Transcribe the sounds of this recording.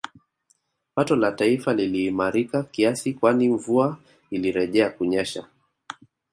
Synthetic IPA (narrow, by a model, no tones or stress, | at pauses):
patɔlataifaliliːmaɾikakiasikwaniɱvua | iliɾɛʄɛakuɲɛʃa